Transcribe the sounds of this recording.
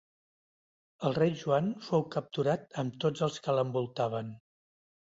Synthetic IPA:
əlˠrejʒuanfowkəp̚t̪uɾat̪əmt̪od͡zəlˠskələmbulˠt̪aβ̞ən

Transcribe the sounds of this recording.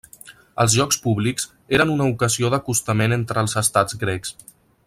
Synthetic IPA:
ə̰lˠzʒɔkspuβlikz̥ | eɾənunəukəzioðəkust̪əmenent̪ɾəlˠzəst̪ad͡zɡɾɛks

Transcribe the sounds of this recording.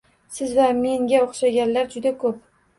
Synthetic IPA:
sɪzvame̞ŋɡʲaoχʃaɡʲanlaɾd͡ʒʊd̪akʰɵp̚

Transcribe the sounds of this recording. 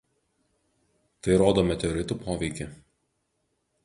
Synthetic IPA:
t̪ɐɪɾoːd̪oːmʲɛt̪ʲɛɔɾʲɪt̪uˑpoːʋʲɛɪkʲɪ

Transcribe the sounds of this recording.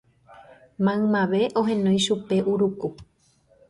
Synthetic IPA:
mãɨ̃mãʋe̞ʔo̞ɦẽ̞nõj̃ʃupe̞ʔuɾuku

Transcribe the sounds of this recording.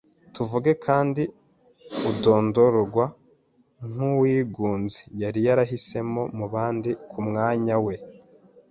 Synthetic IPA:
tuvuɡe̞kʰaːndi | udo̞ːndo̞ɾɡwa | ŋ̥uwiːɡuːnzejaɾijaɾaɦise̞mo̞muβaːndikʰumŋaːɲawe̞

